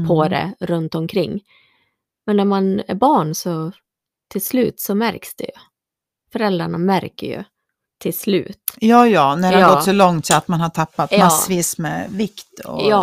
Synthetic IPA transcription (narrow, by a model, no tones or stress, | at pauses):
pʰɔd̪ɛ̰ɾɵnt̪ɔmkʰɾɪŋː | mɛnːæɾmanæ̰ɾbɑːɳsɔ | t̪ʰɪlslʉ̟ːt̪sɔmæɾksd̪̥ɛ̰jɵ̰ | fœɾɛld̪ɾaɳamæɾkə̰ɾjɵ̰ | t̪ʰɪlslʉ̟̰ːt̪jɑːjɑːnæɖhaɡɔsɔlɔŋt̪ɪat̪manhaʈ̪ʰapːat̪masːviːsmɛ̰vɪkt̪ʰɔ̰jɑː